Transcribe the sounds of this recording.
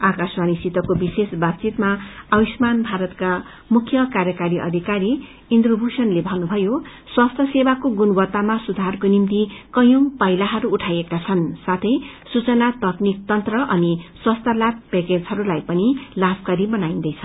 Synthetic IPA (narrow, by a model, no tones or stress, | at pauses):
akasmanisit̪ʌkobisesbabt͡sit̪maʌwismanbʱaɾʌt̪ka | mukʰjʌkaɾjʌkaɾiʔʌ̰d̪ʱikaɾi | ind̪robʱusʌnlebʱʌnubʱʌjo | swast̪ʰʌsebakoɡunbʌt̪ːamasud̪ʱarkonimt̪ikʌjõmpʌjlaɦʌɾuːʈʰajekat͡sʰʌnsat̪ʰʌjsut͡sʌnat̪ʌknik̚t̪ʌnt̪rʌʔʌniswʌst̪ʰalap̚peked͡zɦʌɾulajpʌnilabkaɾibʌnaĩnd̪ʌjt͡sʰʌ